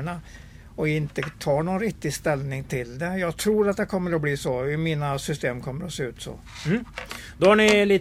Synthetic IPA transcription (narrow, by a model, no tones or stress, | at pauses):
ɳa | ɔɪnt̪ət̪ʰɑːɳɔnɾɪk̚t̪ɪst̪ɛlnɪŋt̪ʰɪld̪ɛjɑːɡt̪ʰɾuːɾat̪̚d̪ɛkʰɔmːəɾɔbliːsɔɪmiːnasʏst̪eːmkʰɔmːəɾɔseːʉ̟ːt̪sɔ̰ | mː | d̪ɔhaɳɪliː